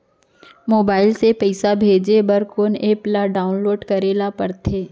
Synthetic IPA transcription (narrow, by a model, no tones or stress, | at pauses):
moːbaːɪlsepɛɪsabʱeːd͡ʒebɐɾkoːneːplaɖaːʊnloːɖkɐɾeːlapɐɾt̪ʰeː